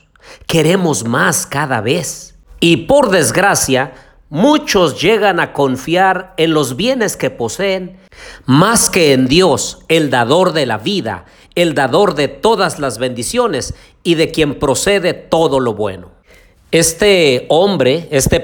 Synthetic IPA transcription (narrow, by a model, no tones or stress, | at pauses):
ke̞ɾe̞mo̞zmaskaða̰βes | ipo̞ɾðe̞zɣɾasja | mut͡ʃo̞zʝe̞ɣanako̞ɱfjaɾe̞nlo̞zβje̞ne̞ske̞po̞seːn | maske̞ːnd̪jo̞seld̪aðo̞ɾðe̞laβiða̰ | eld̪aðo̞ɾðe̞t̪o̞ðazlazβe̞nd̪isjo̞ne̞s | iðe̞kje̞mpɾo̞se̞ðe̞t̪o̞ðo̞lo̞βwe̞̰no̞ | est̪eombɾeest̪e